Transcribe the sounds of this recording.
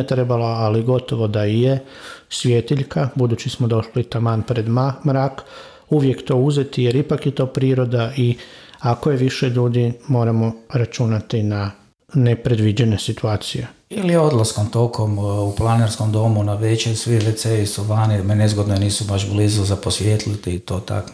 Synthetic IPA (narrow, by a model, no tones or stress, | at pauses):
et̪ɾe̞balaːliɡo̞t̪o̞ʋo̞d̪aije | sʋʲjet̪iʎkabud̪uːt͡ʃismod̪o̞ʃlit̪amaːnpɾe̞d̪mamɾak | uʋje̞kt̪o̞ːuze̞t̪ije̞ɾipakjet̪o̞ːpɾiːɾo̞d̪aiakojeʋiʃe̞ʎuːd̪imo̞ːɾamo̞ɾat͡ʃunat̪ina | nepɾe̞d̪ʋid͡ʒene̞sit̪uaːt̪sije | iliod̪lˠaskomt̪o̞kʰomuplˠaneɾsko̞md̪o̞munaʋet͡ɕesʋiʋet̪sejisuʋaːnimenezɡod̪noniːsubaʃblizuzaposʋjet̪lit̪it̪oːt̪a̰k